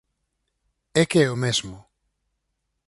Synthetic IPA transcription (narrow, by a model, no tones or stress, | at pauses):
ɛkeɛomɛzmʊ